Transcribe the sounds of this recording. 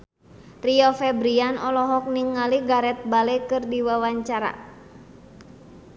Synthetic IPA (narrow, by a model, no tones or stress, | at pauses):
riɔfɛbɾianɔlɔɦɔk̚niŋːaliɡaɾɛt̪̚balɛkɨrdiwawaɲt͡ʃaɾa̰